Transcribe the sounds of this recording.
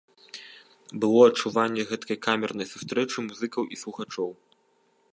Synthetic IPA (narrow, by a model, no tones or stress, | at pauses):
bɨlˠɔɐt͡ʂːuvanʲːɛɣɛt̪kɐjkamʲɛrnɐjsust̪ɾɛt͡ʂɨmuzɨkɐwʔislˠuxat͡ʂɔw